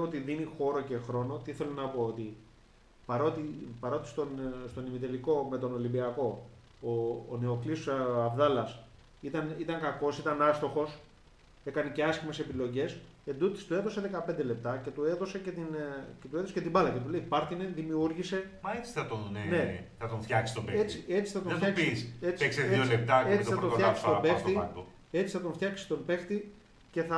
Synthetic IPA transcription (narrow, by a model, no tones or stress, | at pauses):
eoot̪iðinixo̞ɾo̞ce̞xɾo̞no̞t̪iiθe̞lonɐpo̞ot̪i | pɐɾo̞t̪ipɐɾo̞t̪ist̪onst̪o̞nimit̪e̞liko̞me̞t̪o̞no̞limbiɐko̞ | oːne̞oklisɐvðɐlɐs | it̪ɐnit̪ɐŋkɐko̞sit̪ɐnɐst̪o̞xo̞s | e̞kɐnece̞ɐscime̞se̞pilo̞ʝe̞s | e̞nd̪ut̪i̥st̪ue̞ðo̞se̞ðe̞kɐpe̞nd̪e̞le̞p̚t̪ɐce̞t̪ue̞ðo̞se̞cet̪incet̪ueðosecet̪ibɐlɐce̞t̪̬uleipɐɾt̪ineðimiuɾʝise̞mɐet͡si̥θɐt̪onene̞θɐt̪oɱft̪çɐksi̥st̪obeet͡sie̞t͡si̥θɐt̪oɐçɐkpiseipekseðolep̚t̪ɐeioɐoɐsi̥st̪obesxt̪iɐt̪o | e̞t͡si̥θɐt̪o̞ɱft̪çɐksi̥st̪o̞mbe̞xt̪i | ce̞θɐ